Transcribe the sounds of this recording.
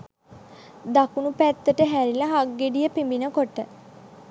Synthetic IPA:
d̪akunupæt̪ːəʈəɦæɾilaɦaɡːeɖijəpimbinəkoʈə

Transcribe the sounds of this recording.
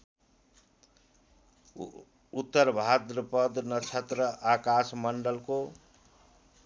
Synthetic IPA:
ut̪ːəɾbʱad̪ɾəpʌd̪nʌt͡ʃʰʌt̪ɾəʔakasmʌɳɖʌlko

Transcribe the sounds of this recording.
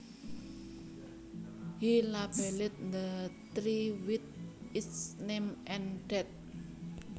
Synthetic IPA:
hilab̥ɛlɪt̪̚nd̪ət̪ɾiwit̪̚ɪsnemʔɛnɖ̥ɛt̪̚

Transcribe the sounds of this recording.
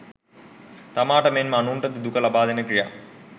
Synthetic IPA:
t̪ɐmaːʈɐmenmanuːɳʈɐt̪ɨd̪ukɐlɐbaːd̪ɐnɐkija̰ː

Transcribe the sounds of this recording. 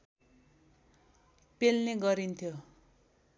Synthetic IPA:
pelneɡʌɾint̪ʰjo

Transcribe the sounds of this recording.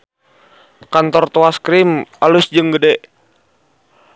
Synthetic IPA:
kant̪ɔrt̪oaskɾimalusd͡ʒɨŋɡədɛ

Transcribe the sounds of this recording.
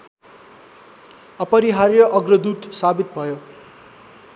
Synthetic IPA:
ʌpʌɾiɦarjʌʔʌɡrʌd̪uʈsabit̪̚bʱʌjo

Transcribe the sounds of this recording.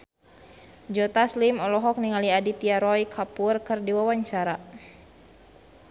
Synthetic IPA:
d͡ʒɔt̪aslimɔlɔɦɔk̚niŋaliadit̪iaɾɔjkʰapurkɨrdiwawaɲt͡ʃaɾa

